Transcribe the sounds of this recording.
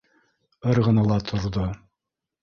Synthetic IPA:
ɤɾʁɤ̆nɑlˠɑt̪ʰŏɾðo

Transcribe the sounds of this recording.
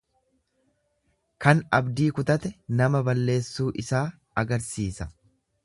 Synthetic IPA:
kɐnɐbd̪iːkʊt̪ɐt̪ɛnɐmɐbɐlːe̞ːsːuːʔɪsaː | ɐɡɐɾsiːsɐ

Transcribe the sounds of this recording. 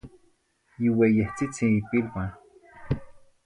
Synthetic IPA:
jiwejeht͡sit͡sĩipilpã

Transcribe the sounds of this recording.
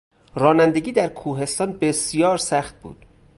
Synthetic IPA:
ɾɒːnænd̪eɡʲiːd̪æɾkʰuːɦe̞st̪ɒːnbesijɒːɾsæxt̪̚bṵːd̪̥

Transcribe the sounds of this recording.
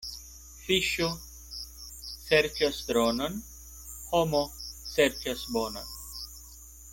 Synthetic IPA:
fiʃo | seɾt͡ʃɐsd̪ɾoːnɐn | homoseɾt͡ʃɐsboːnɐn

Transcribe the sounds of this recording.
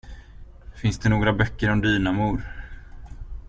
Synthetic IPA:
fɪnsd̪ɛnoːɡɾabœkːəɾɔmd̪yːnamuːɾ

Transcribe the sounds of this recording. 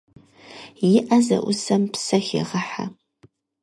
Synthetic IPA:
jɪʔɐzɐ̰ʔʷʊsɐmpsɐxḛʁəħa̰

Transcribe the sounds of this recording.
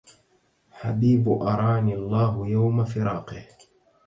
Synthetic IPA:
ħabiːbʊʔɑɾˤɑːniːɑlˤːɑːɦʊjawmafɪɾɑːqɪh

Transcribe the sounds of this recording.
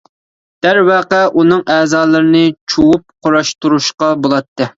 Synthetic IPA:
d̪̥æɾwɛqæʔunɨŋʔɛːzɑːlˠɨɾɨnɨt͡ʃʰuwup̚qʰoɾɑʃt̪uɾuʃqɑbolˠɑt̪ʰːɨ

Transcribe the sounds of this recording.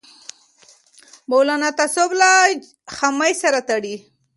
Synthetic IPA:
mawlanat̪asobla | xamajsaɾat̪aɽi

